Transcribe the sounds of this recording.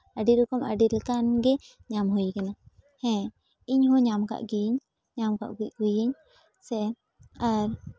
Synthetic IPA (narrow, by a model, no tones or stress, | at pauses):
aɖiɾɔkɔmaɖilkanɡɛ | ɲamɦujkɛna | hɛ̃ | iɲɦuɲamka̰ʔɡiɲ | ɲamka̰ʔɡiʔɡujiɲ | sɛ | aɾ